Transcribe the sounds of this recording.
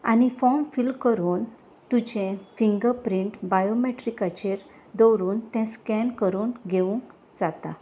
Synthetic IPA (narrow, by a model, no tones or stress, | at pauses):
a̰ñifɔmfilkəɾuːn | t̪ut͡ɕẽfiŋɡəɾpɾiɳʈbajomeʈɾikat͡ɕeɾ | d̪ɔwɾuːnt̪ɛ̃skɛnkəɾuːnɡʱeũŋk | d͡zat̪a̰